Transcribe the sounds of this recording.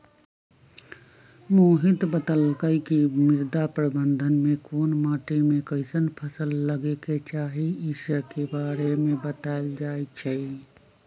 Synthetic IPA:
moːɦɪt̪bət̪əlkəikimɪɾd̪apɾəbə̃nd̪ʱənmẽkoːnmaːʈimẽkəɪsənpʰəsəlːəɡeket͡ʃaːɦiɪʃəkebaːɾemẽbət̪aːɪld͡ʒaːet͡ʃʰɛ

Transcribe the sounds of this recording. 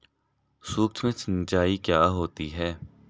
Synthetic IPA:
suːɾt̪ʰmẽt͡ʃnɪd͡ʒaːikjaːɦoːt̪iɦɛː

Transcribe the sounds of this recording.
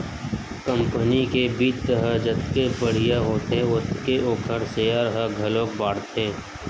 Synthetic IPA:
kə̃mpənikebiːt͡ʃt̪əɦəd͡ʒət̪kepəɽ̤ijaɦoːt̪eʊt̪keoːkʰəɽseaɾɦəɡʱɐlõːk̚baːɽt̪ʰẽː

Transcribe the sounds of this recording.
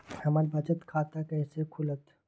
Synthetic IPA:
hɐmaːɾbɐt͡ʃət̪kʰaːt̪akɛːsekʰʊlət̪

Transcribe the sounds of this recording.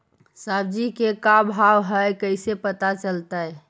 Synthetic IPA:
sabd͡ʒikekabʱawɦəjkəɪsepət̪at͡ʃəlt̪əj

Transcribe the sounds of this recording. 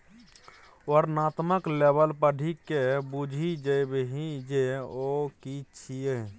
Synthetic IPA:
oɾnat̪məklebəlpəɖʱikebud͡ʒʱid͡ʒəjbeɦid͡ʒeokit͡ʃʰije

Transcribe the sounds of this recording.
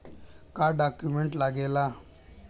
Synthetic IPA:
kaɖakjumeɳʈlaɡela

